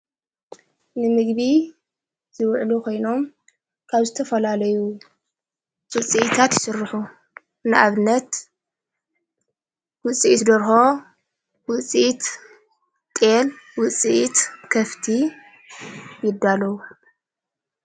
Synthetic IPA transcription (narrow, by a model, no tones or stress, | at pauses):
nɨmɨɡbi | z̥ɨwʕlukʰo̞jno̞m | kʰaβzɨt̪ʰɐfɐlalɐju | wɨt͡sʼiʔit̪ʰat̪jɪsɨɾːħu | nɨʔaβɨnːɐt̪ | wʊt͡sʼiʔit̪d̪ɐɾxo̞ | wʊt͡sʼiit̪ | t̪ʼelwʊt͡sʼiʔit̪kʰɐft̪ʰi | jɪd̪ːalɐwu